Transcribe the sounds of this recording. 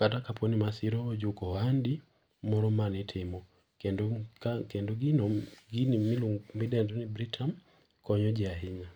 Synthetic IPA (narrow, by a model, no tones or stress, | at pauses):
katakapʰɔnimasiɾɔːd͡ʒʊkɔhandi | mɔɾɔmanɪtʰɪmɔ | kɛnkakɛndɔɡinɔɡinimiluŋmidɛndɔnibɾitʰam | kɔɲɔd͡ʒɪaɦɪɲa